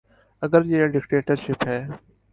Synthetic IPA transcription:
əɡəɾjeːɖɪkʈeːʈəɾʃɪpɦɛː

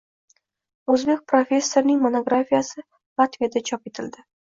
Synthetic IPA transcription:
ɵzbe̞k̚ʲpɾofʲe̞sːoɾnɪŋmonoɡɾafʲijasɪ | lˠat̪vijad̪at͡ʃʰɒpet̪ʰɪld̪ɪ

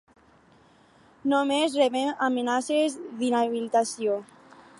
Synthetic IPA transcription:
nomezreβemamenasezðinaβilit̪asjo

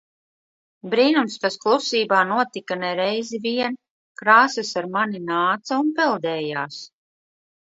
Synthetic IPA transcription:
bɾiːnumst̪asklˠusiːbaːnuɔt̪ikanɛɾɛjziviɛn | kɾaːsɨsaɾmaninaːt̪sɐunpɛlˠd̪ɛːjaːs

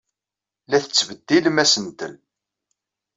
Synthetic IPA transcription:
læθət͡sːvəd̪ːilmæsənt̪ən

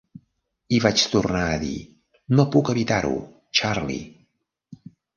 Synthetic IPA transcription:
iβat͡ʃt̪urnaəðḭ | nopukəβit̪aɾṵ | t͡ʃarlḭ

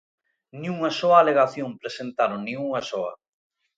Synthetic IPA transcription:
nĩuŋasɔaːleɣaθjoŋpɾesent̪aɾoŋnĩŋuŋasɔɐ̰

